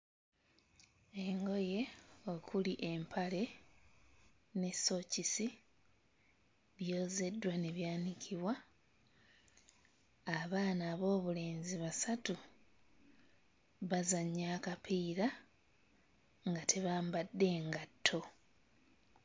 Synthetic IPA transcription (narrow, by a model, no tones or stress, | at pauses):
e̞ŋɡo̞je̞o̞kʰuliʔe̞mpʰale̞ | ne̞so̞cisi | βjo̞ːze̞dwane̞βjaːnikʰiβwa | aβaːnaːβo̞ːβule̞ːnziβasatu | βazaɲːaːkapʰiːɾa | ŋɡate̞βaːmbadːe̞ːŋɡatʰːo̞